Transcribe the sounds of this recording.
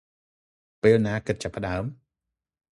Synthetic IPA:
peːlnaːkɨt̪̚t͡ɕapːə̆ɗaəm

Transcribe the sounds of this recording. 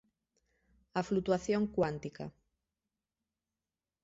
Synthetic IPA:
aflut̪waθjoŋkwant̪ika̰

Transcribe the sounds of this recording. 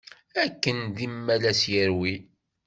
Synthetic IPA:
ækːənd̪imːælæsjəɾwi

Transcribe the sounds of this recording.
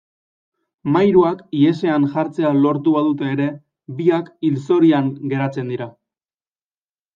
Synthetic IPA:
majɾuakie̞se̞aŋʝaɾt͡se̞alo̞ɾt̪uβaðut̪e̞ːɾe̞ | βiakilso̞ɾiaŋɡe̞ɾat͡se̞nd̪iɾa

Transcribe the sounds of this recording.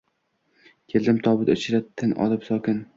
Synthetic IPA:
kʲʰeld̪ɪmt̪ʰɒbɪd̪ʊt͡ʃʰɪɾat̪ʰːɪnʔɒ̰lɪpsɒkʲɪn

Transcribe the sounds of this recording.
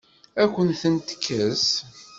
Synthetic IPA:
ækʷːənθənt̪ə̥kʰːəs

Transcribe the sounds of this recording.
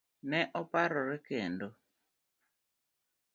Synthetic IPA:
nɛʔɔpaɾɔɾɛkendo

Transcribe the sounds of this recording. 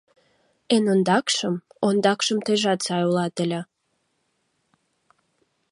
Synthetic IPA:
enond̪ɑkʃəmond̪ɑkʃəmt̪eʒɑt̪sɑjulɑt̪əlʲə̆

